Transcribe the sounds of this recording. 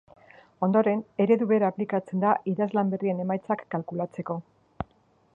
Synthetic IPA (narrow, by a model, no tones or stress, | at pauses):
o̞nd̪o̞ɾe̞ne̞ɾe̞ðuβe̞ɾaːplikat͡se̞nd̪aʔiðazlambe̞rie̞ne̞majt͡sakːalkulat͡se̞ko̞